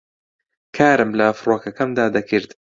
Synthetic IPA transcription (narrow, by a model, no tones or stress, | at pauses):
kʰaːɾɨmlɐfɾoːkɐkɐmd̪aːd̪ɐkʰɨɾd̪